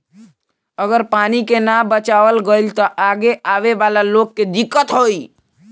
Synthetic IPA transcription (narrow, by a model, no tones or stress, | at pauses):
əɡəɾpanikenabət͡ʃaʋəlɡəilt̪əʔaɡeaʋeʋalalokːed̪ikːət̪ɦoi